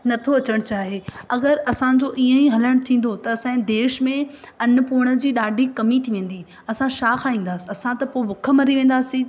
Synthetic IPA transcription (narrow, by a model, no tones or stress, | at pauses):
nɐt̪ʰoɐt͡ɕəɽ̃t͡ɕaːɦeɐɡəɾɐsãd͡ʑoʔiːə̃iɦɐləɽ̃t̪ʰĩːn̆d̪ot̪ɐːsãd̪eːʃmẽ | ɐnʊ̆puːɽ̃ə̆d͡ʑiːɗaːɖʱikɐmit̪ʰiʋẽːn̆d̪i | ɐsãʃaːxʰãːĩːn̆d̪aːsiɐsãt̪ɐpoːɪbʊkʰə̆mɐɾiʋẽːn̆d̪aːsĩː